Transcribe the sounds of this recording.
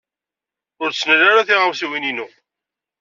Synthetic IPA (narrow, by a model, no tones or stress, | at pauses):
ʊɾsnəlːaɾaθiʁəmsiwininu